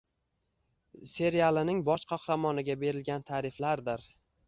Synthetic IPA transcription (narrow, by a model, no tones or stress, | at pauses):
se̞ɾijalˠɪnɪŋbɒʃqʰɑhɾɑmɒnɪɡʲabe̞ɾɪlɡʲant̪ʰaɾɪflaɾd̪ɪɾ